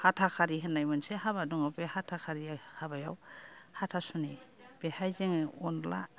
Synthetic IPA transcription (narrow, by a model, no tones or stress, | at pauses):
hatʰakʰaɾiɦɛnajmansɛɦaβadɔŋapɛhatʰakʰaɾiahabaja̰whatʰasuni | b̥ɛhajzeŋɛɔnɔla̰